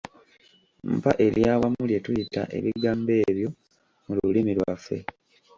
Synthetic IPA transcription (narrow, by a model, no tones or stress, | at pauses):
m̩paʔe̞ljaːwamulje̞tujita̰ʔe̞̰βiɡaːmbe̞ːβjo̞ | mululimilwafe̞̰